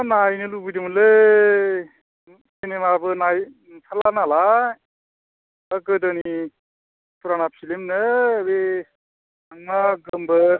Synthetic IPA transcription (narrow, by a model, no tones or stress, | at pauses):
najnɯlubidimɯlɯ | enemabɯnaj | tʰalanala | əkɯdənii | tuɾanapʰilemnɯbe | aŋmaɡɯmbɯ